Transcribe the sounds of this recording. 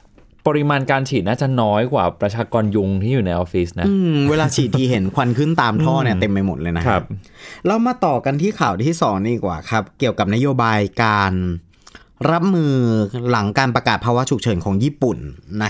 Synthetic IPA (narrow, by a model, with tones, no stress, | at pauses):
pɔ˧ɾi˧˦˥maː˧nkaː˧nt͡ɕʰiː˨˩naː˥˩t͡ɕa˨˩nɔː˦˥jkwaː˨˩pɾa˧t͡ɕʰaː˧kɔː˧nju˧ŋt̪ʰiː˥˩juː˨˩na˧jʔoː˧fiː˦˥sna˦ʔɯː˧mweː˧laː˧t͡ɕʰiː˨˩t̪ʰːiː˧˩ɦe˩˦nkʰwa˧nkʰɯ˥˩nt̪aː˧mʰɔː˥˩ni˦˥˩t̪e˧mpa˧jmo˨˩t̪̚lɤː˧jna˦˥kʰa˦˥p̚lɛ˦˥wmaː˧t̪ɔː˨˩ka˧nt̪ʰiː˥˩kʰaː˨˩wt̪ʰiː˥˩sɔː˩˦ŋdiː˧˩kwaː˨˩kʰa˦˥p̚ki˨˩əwka˨˩p̚na˦˥joː˧baː˧jkaː˧n | ɾa˦˥p̚mɯː˧la˩˦ŋkaː˧npɾa˧kaː˨˩t̪̚pʰaː˧wa˦˥t͡ɕʰu˨˩k̚t͡ɕʰɤː˩˦nkʰɔː˩˦ŋjiː˥˩pu˨˩nːa˦˥